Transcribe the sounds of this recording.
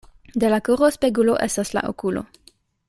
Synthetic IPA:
de̞lakuʁospeɡulo̞ʔe̞stasla̰ʔo̰kulo̞̰

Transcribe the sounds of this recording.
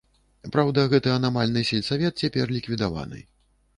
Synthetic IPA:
pɾawd̪ɐɣɛt̪ɨɐnamalʲnɨsʲɛlʲsavʲɛt̪̚t͡sʲapʲɛrlʲikvʲid̪ava̰nɨ̰

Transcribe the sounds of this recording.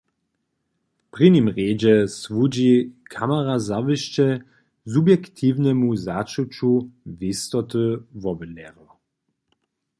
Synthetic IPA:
pʁinimʁeːd͡ʑɛsvud͡ʑikʰamaʁazavɨʃt͡ʃɛ | zubjɛkt̪ʰivnɛmuzat͡ʃut͡ʃuvist̪ɔt̪ɨvɔbənɛɾɔ

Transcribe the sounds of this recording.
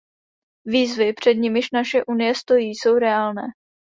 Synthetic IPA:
viːzvɪpr̝̥ɛd̪ɲɪmɪʃnaʃɛʔunɪjɛst̪o̞jiːso̞wɾɛaːlnɛː

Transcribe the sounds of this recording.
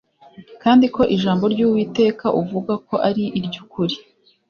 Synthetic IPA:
kaːndiko̞ʔiʒaːmbo̞ɾɟuːwiːte̞ːkaʔuvuɡako̞ʔaɾiʔiɾɟukuɾi

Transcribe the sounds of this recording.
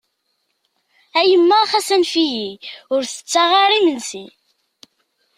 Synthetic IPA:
æjəmːæχæsænfijiʊɾθə̥t͡sːaʁaɾˤimənsi

